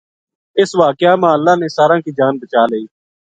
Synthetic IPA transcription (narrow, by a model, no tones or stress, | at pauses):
ɪsʋaːkɪjaːmãːəlːãːneːsaːɾãːkiːd͡ʒaːnbət͡ʃaːləiː